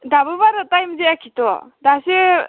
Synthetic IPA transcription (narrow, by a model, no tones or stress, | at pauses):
dabɯbaɾɯtajmzeakʰitɔdase